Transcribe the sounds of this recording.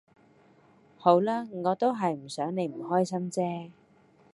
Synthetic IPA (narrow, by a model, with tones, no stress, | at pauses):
ho˨˥wlaː˥ŋɔː˨˧t̪o˥wɦɐ˨jm̩˨˩sœː˨˥ŋne˨˧jm̩˨˩hɔː˥jsɐ˥mt͡sɛː˥